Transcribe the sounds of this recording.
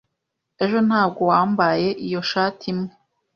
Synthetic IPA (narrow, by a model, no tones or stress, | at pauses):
e̞ʒo̞n̥haːb̚ɡo̞waːmbaje̞ʔijo̞ʃaːtʰimŋe